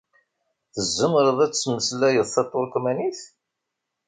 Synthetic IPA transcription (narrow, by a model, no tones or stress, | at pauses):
θəzːəməɾˤəðˤæt͡sːməslæjəðθɑt̪ˤːoɾkʷːmæniθ